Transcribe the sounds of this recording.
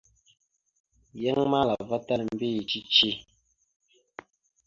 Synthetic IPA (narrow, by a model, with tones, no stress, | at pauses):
jɛ˦ŋma˦la˨və˦ta˦lm̩˦bi˦˨t͡ʃi˦t͡ʃi˦